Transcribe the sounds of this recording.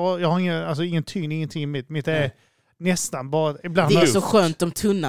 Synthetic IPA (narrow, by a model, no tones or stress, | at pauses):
aɾjɑːɡhaɾɪŋːənals̬ɔɪŋːənt̪ʰʏŋnɪŋːənt̪ʰɪŋːɪmɪt̪ːmɪt̪ːæɾ | nɛst̪anbɑːɾaɪblanɛsɔɧøːnt̪ɔmt̪ʰɵnːa